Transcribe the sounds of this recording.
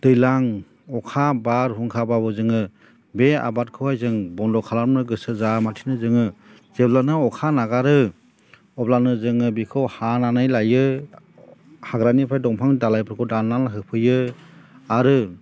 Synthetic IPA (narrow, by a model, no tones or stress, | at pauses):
d̥ɯjlaŋ | ɔkʰabaɾɦuŋkʰababɯzɯŋɯ | bea̰bat̚kʰɯwajzɯŋbɔndɔkʰalaɾmnɯɡɯsɯzamatʰinɯzɯŋɯ | z̥eblanɯɔkʰanaɡaɾɯ | ɔblanɯzɯŋɯbikʰɯwhananajlajɯ | haɡɾanipʰajdɔŋpʰaŋdalajpʰɯɾkʰɔdananɦɯpʰɯjɯ | aɾɯ